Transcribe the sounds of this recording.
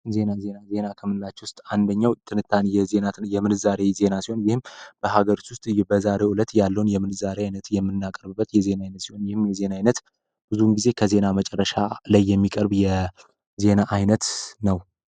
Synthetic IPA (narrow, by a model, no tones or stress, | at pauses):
ze̞naze̞naze̞nakʰəmɨnɨlat͡ʃːɛwʊst̪ʼand̪əɲːawt̪ʰɨnɨt̪ʰːanjɛze̞najɛmɨnɨzaɾe̞ze̞nasiho̞njɪhɨmb̥əhaɡəɾit̪wʊst̪ʼbəzaɾe̞ulət̪jalːəwunjɛmɨnɨzaɾeajnət̪jɛmːɨnːakʼəɾβɨbːət̪jɛze̞naajnət̪siho̞njɪhɨmjɛze̞naajnət̪ | b̥ɨzunɡize̞kʰəze̞namət͡ʃʼɛrːəʃalajːɛmːikʼəɾbjɛ | ze̞naʔajnət̪nəw